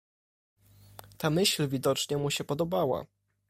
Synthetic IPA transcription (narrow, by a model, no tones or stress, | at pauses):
t̪amɘɕlvʲid̪ɔt͡ʂɲɛmuɕɛpɔd̪ɔbawa̰